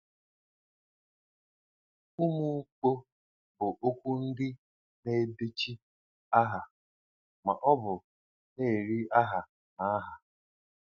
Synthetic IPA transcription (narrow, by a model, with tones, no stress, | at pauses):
u˦mu˦k͡po˦ | bʊ˨ʔo˦kʷu˦n̩˦dɪ˦ | ne˦˨de˦t͡ʃi˦ | a˦ɦa˨ | ma̰˨ʔɔ˦bʊ˨ | ne˦˨ɾi˦a˦ɦa˨ | na˨a˦ɦa˨